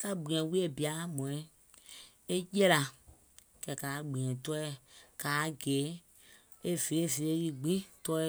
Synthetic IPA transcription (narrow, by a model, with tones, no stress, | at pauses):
ka˦ɡ͡bĩ˨ɛ̃˨˦wi˦e˦˨bi˨a˦mɔ̃˨ĩ˨˦ | e˦jɛ˦la˧ | kɛ˨kaː˨ɡ͡bĩ˨ɛ̃˨tɔ˦ɛ˦˨kaː˨˦ɡeː˨˦ | e˦ve˨e˦˨ve˨ɾe˦li˦ɡ͡bĩ˦tɔ˦˧˦